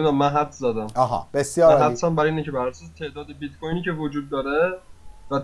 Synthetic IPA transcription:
d̪æmːænɦæt̪ʰzæːd̪æmɒɦɑ̰b̥esjɒːɾɦæt̪sænbæɾiːnecʰebæɾæɾsɔːst̪ʰe̞ʔd̪ɒːd̪ebit̪̚kʰojniːcʰe̞vod͡ʒuːd̪̚ːɒːɾevæ

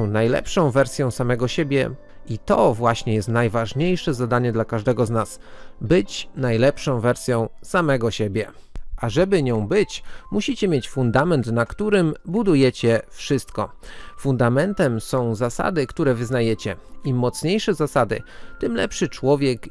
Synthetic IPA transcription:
najlɛ̰pʂɔ̃w̃vɛɾsʲjɔ̃w̃samɛɡɔɕebʲjɛ̰ | it̪ɔvwaɕɲɛjɛst̪najvaʐɲejʂɛzad̪aɲɛd̪lakaʐd̪ɛɡɔznas | bɘt͡ɕnajlɛpʂɔ̃w̃vɛɾsʲjɔ̃w̃samɛɡɔɕebʲjɛ | ʔaʐɛbɘɲɔ̃w̃bɘt͡ɕmuɕit͡ɕɛmʲjet͡ɕfund̪amɛnt̪nakt̪uɾɘmbud̪ujɛt͡ɕɛfʂɘst̪kɔfund̪amɛnt̪ɛmsɔ̃w̃zasa̰d̪ɘkt̪uɾɛvɘznajɛt͡ɕɛimɔt̪sɲejʂɛzasad̪ɘt̪ɘmlɛ̰pʂɘt͡ʂwɔvʲjɛk

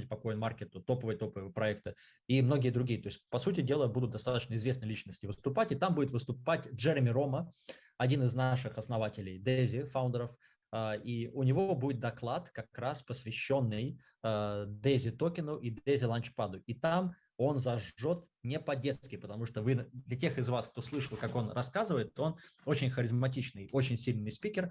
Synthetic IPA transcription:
at̚ʲpɐko̞jɪnmarkʲɪt̪ʊt̪o̞pəvəjət̪o̞pəvəpɾɐɛkt̪ɨ | imno̞ɡʲɪjəd̪ɾʊɡʲijət̪o̞ɪsʲt̚ʲpɐsutʲɪdʲe̞lˠəbud̪ʊt̪̚d̪ɐst̪at̪ət͡ɕnəɪzvʲe̞snəjlʲit͡ɕnəsʲtʲɪvɨst̪ʊpatʲɪt̪ambudɪt̪vɨst̪ʊpatʲʐɛɾʲɪmʲɪɾo̞mə | ɐdʲinɨznaʂɨxɐsnɐvatʲɪlʲɪjd̪ezʲɪfaʊnd̪ʲəɾəf | əiʊnʲɪvobudʲɪt̪̚d̪ɐklˠat̪kɐkɾaspəsvʲɪɕːo̞nːɨj | d̪ezʲɪt̪o̞kʲɪnʊʔid̪ezʲɪlˠɐnt͡ɕpad̪ʊʔit̪aam | o̞nzɐʐo̞t̪ | nʲɪpɐdʲeskʲɪpət̪ɐmuʂt̪ovɨd̪lʲɐtʲe̞xɨzvask̚t̪o̞slˠɨʂəlˠkako̞nrʔɐskazɨvəjɪt̪o̞no̞t͡ɕɪnʲxəɾʲɪzmɐtʲit͡ɕnɨjo̞t͡ɕɪnʲsʲilʲnɨjspʲikʲɪr

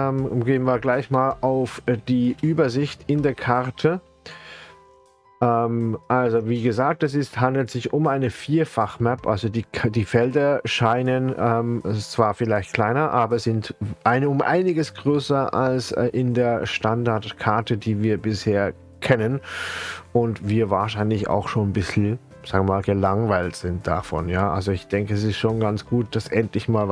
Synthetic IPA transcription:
ɛmɡeːənviːɐɡlaɪçmaːlʔaʊfd̥iːʔyːbɐzɪçtɪndeːɐkʰaʁtʰə | ʔɛːmʔalzoviːɡəzaːk̚tɛs̬ɪsthandl̩tz̥ɪçʊmʔaɪnəfiːɐfaχmɛpʔa̰lzodiːdiːfɛldɐʃaɪnənɛːmt͡sv̥aːɐfɪlaɪçt̚kʰl̥aɪnɐʔaːbɐsɪntʔaɪnəʊmʔa̰ɪnɪɡəsɡ̥ʁøːsɐʔa̰lsʔɪndeːɐʃtandaɐtkʰaɐtʰədiːviːɐbɪsheːɐ | kʰɛnən | ʔʊntviːɐvaːɐʃaɪnlɪça̰ʊxʃoːnbɪsl̩ | z̥aːɡŋmaːlɡəlaŋvaɪltz̥ɪnt̚d̥a̰fɔ̰njaːʔa̰lzoɪçd̥ɛŋkəɛs̬ɪstʃoːnɡansɡ̥uːt̚d̥asʔɛntlɪçmaːl

